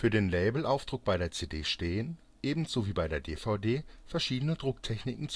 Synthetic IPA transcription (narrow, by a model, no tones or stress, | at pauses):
fyːɐɾeːnlɛɪbl̩ʔaʊfd̥ʁʊk̚b̥aɪɾeːɐt͡seːdeːʃteːən | ʔeːbm̩n̩z̥oviːbaɪɾeːɐdeːfaʊdeːfɛɐʃiːdənədʁʊktʰɛçnɪkŋ̩t͡s